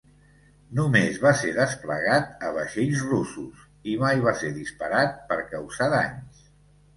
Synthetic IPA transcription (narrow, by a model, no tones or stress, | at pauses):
numezβaseðəspləɣat̪əβəʃeʎzrusus | imajβaseɾðispəɾat̪̚pəɾkəwzaðaɲs